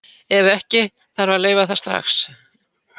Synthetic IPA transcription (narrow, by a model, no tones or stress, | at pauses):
ɛvɛhcɪ | θaɾvaleːjvaθast̪ɾa̰xs